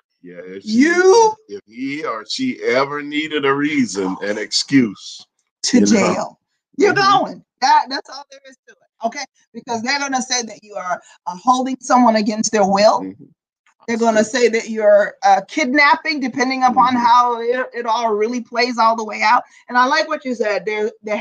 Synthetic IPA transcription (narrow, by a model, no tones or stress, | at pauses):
jæɪjɨɪfhiə˞ʃiʔɛvə˞niɾɨɾɨɹizɨ̃nɨ̰̃nɨkskjʉs | tʰɨd͡ʒeɪlˠ | jə˞ɡoʊɪ̃ŋðæt̚ðætsɔlðə˞ɨzduɪ̃ŋoʊkʰeɪ | b̥ɨkʌzðə˞ɡʌnəseɪðɨt͡ʃɨə˞ | hoʊlˠdɪ̃ŋsʌ̃mwʌ̃nɨɡɛ̃nst̪̚ðə˞wɪlˠ | ðə˞ɡʌnɨseɪðɨt͡ʃəː˞ʌkʰɪdⁿnæpɪ̃ŋdɨpʰɛ̃ndɪ̃ŋəpʰɑ̃nɦaʊɪɪɾɔlˠɹɪlˠipʰl̥eɪzɔlˠðəweɪaʊt̚ | ɨ̃naɪlaɪkwʌt͡ʃɨ˞sɛd̪̚ðə˞ðɨ